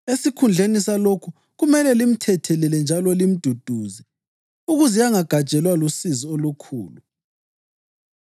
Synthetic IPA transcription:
esikʰund͡ɮʱenisalokʰu | ɣumɛlɛlim̩tʰɛtʰɛlilɛnd͡ʒʱalɔlim̩d̥ʱud̥ʱuːzɛ | uɣuzɛjaŋaɡ̥ʱḁʒ̥ʼʱɛlwalusizɔolukʰṵːlu

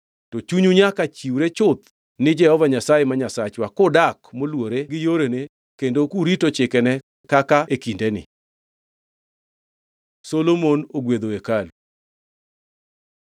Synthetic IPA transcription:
tɔt͡ʃuɲuɲakat͡ʃiwɾet͡ʃʊt̪̚ | nɪd͡ʒɛhɔvaɲasajemaɲasat͡ʃwakʊdakmolwoɾeɡɪjoɾene | kendokuɾitot͡ʃɪkɛnɛ | kakaekindenɪ̰ | solomonoɡwed̪oekalu

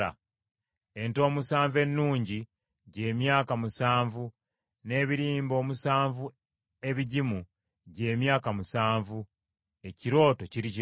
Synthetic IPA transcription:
a̰ | e̞nto̞ːmusaːɱve̞nːuːɲɟi | ɟe̞ːmjaːkamusaːɱvu | ne̞ːβiɾiːmbo̞ːmusaːɱvu | e̞βiɟimu | ɟe̞ːmjaːkamusaːɱvu | e̞ciɾo̞ːto̞ciɾici

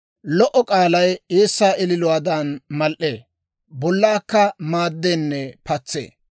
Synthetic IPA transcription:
lɔʔɔkʼaːlɐjeːsːaːʔɪlɪlʊwaːd̪ɐnmɐlʔeː | bɔlːaːkːɐmaːd̪ːenːɛpɐt͡sːḛː

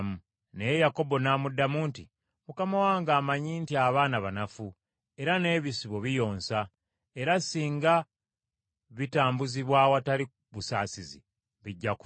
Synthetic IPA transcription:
mu | nejejako̞bo̞naːmudːamunti | mukamawaːŋɡaːmaɲintiaβaːnaβanafu | e̞ɾane̞ːβisiβo̞βijo̞ːnsa | e̞ɾasiːŋɡa | βitaːmbuziβwaːwatali | βusa̰ːsizḭ | βiɟːak

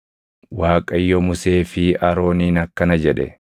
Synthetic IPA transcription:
waːkʼɐjːɔmʊse̞ːfɪɐɾo̞ːniːnɐkːɐnɐd͡ʒɛᶑɛ̰

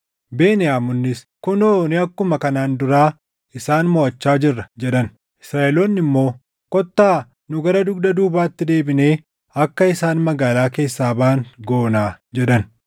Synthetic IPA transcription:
be̞ːnɪjaːmʊnːɪs | kʊnoːnɪɐkːʊmɐkɐnaːnd̪ʊɾaː | ɪsaːnmɔɐt͡ʃːaːd͡ʒɪrːɐd͡ʒɛᶑɐn | ʔɪ̥sɾaːʔɛloːnːɪmːo̞ː | kɔt̪ːaː | nʊɡɐɾɐd̪ʊɡd̪ɐd̪uːbaːt̪ːɪd̪eːbɪne̞ː | ɐkːɐɪsaːnmɐɡaːlaːke̞ːsːaːbaːŋɡo̞ːnaː | d͡ʒɛᶑɐn

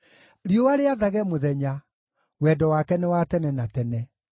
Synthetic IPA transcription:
ɾjowaɾeaðaɣɛmoðɛɲa | wɛːdɔwakɛnɛwatɛnɛnatɛnɛ

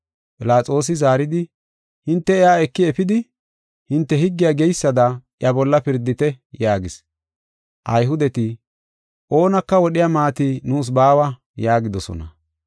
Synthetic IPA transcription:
pʼɪlaːt͡sʼo̞ːs̬ɪzaːɾɪd̪ɪ | hɪnt̪ːɛɛjaːɛkːɪɛfɪd̪ɪ | hɪnt̪ːɛhɪɡːɪjaːɡɛjsːɐd̪ɐʔɪɐbɔlːɐpɪɾd̪ːɪt̪ɛjaːɡɪs | ʔɐjɦʊd̪ɛt̪ɪ | ʔo̞ːnɐkːɐwɔɗɪjamaːt̪inuːs̬baːwɐ | jaːɡɪd̪ɔsɔ̰nɐ

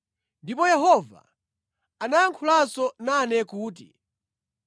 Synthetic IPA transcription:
ndipɔjɛɦɔva̰ | anajaŋkʰulasɔnanɛkuːt̬i

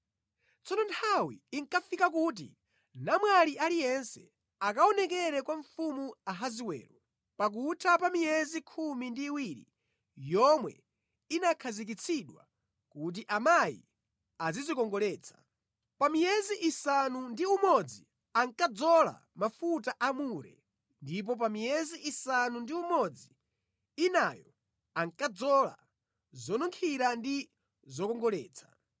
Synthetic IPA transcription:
t͡sɔnɔntʰawḭːŋkafikakut̬ḭ | namwalialijɛnsɛ̰ | akaɔnɛk̬ɛɾɛkwaɱfumuaɦaziwɛ̰ːɾɔ | pak̬utʰapamijɛzikʰumindiːwiɾḭ | jɔmwɛ̰ | inakʰazik̬it͡sʰiɗwa̰ | kut̬iʔamajḭ | azizikɔŋɡɔlɛːt͡sʰḁ | pamijɛziʔisanundiumɔd͡zi | aŋkad͡zɔla̰ | mafutaʔamuɾɛ̰ | ndip̬ɔp̬amijɛziʔisanundiumɔd͡ziː | najɔ | aŋkad͡zɔla̰ | zɔnuŋkʰiɾandi | zɔkɔŋɡɔlɛːt͡sʰḁ

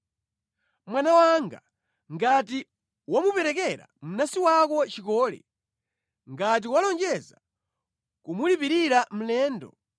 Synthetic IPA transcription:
mwanawaŋɡa̰ | ŋɡati | wamupɛɾɛkɛɾa̰m̩nasiwakɔt͡ʃikɔːlɛ̰ | ŋɡat̬iwalɔnd͡ʒɛza | kumulipiɾiɾam̩lɛːndɔ̰

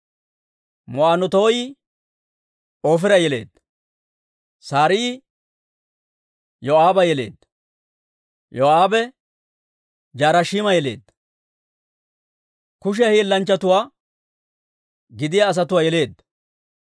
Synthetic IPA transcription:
mɔʔaːnɔt̪o̞ːjɪ | oːfɪɾɐjɛle̞̰ːd̪ːɐ̥ | saːɾɪɪ | jɔaːbɐjɛle̞̰ːd̪ːɐ | jɔaːbɛ | d͡ʒaːɾɐʃiːmɐjɛle̞̰ːd̪ːɐ | kʊʃ̬ɛhiːlːɐnt͡ʃːɐt̪ʊwaː | ɡɪd̪ɪjaːs̬ɐt̪ʊwaːjɛle̞ːd̪ːɐ

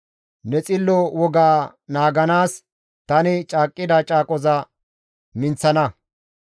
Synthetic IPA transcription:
nɛt͡sʼɪlːɔwɔɡaː | naːɡɐnaːs | t̪ɐnɪt͡ʃʼaːkʼːɪd̪ɐt͡ʃʼaːkʼɔzɐ | mɪnt͡sːɐnɐ

